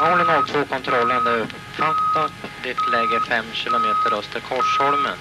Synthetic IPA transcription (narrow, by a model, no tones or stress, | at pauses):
hɔlɪnalt̪ʰvoːkʰɔnt̪ʰɾɔlːənd̪ɛɾɵp | fat̪ːat̪d̪ɪt̪lɛːɡəfɛmːɕɪlʊmeːt̪əɾœst̪əɾkʰɔʂɔlmə̰n